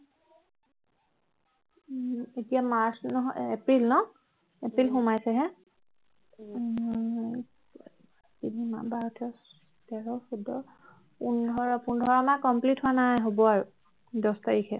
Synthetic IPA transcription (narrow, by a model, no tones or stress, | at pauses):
etijamaɹsnɔɦɔepɹilnɔ | epɹilxumajsɛɦɛ | tinima̰baɹɔtʰɛ | tɛɹɔxudɔ | pundʱɔɹapundʱɔɹamakɔmplithʊanajɦobɔaɹu | dɔstaɹikʰɛ